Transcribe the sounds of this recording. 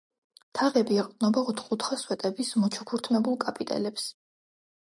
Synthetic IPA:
t̪ʰaʁɛbiɛqʼd̪ʼnɔbaɔt̪ʰχut̪ʰχaswɛt̪ʼɛbismɔt͡ʃʰukʰuɾt̪ʰmɛbulˠkʼapʼit̪ʼɛ̰lɛps

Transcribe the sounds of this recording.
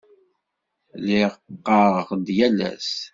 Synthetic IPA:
liʁqːɑɾʁəχd̪jælæ̰s

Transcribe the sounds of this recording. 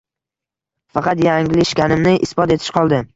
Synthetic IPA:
fɑqɑt̪jaŋlɪɪʃkʲanɪmnɪʔɪsbɒt̪e̞t̪ʰɪ̥ʃqʰɒlˠd̪ɪ

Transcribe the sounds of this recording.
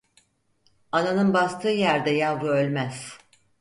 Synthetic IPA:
ananɯnbast̪ʰɯːjæɾd̪ɛjalˠɡ̪ɯølʲmæz̥

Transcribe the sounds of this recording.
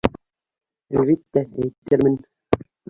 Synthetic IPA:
ælʲβit̪ːææjt̪ːɘɾmɘ̆n

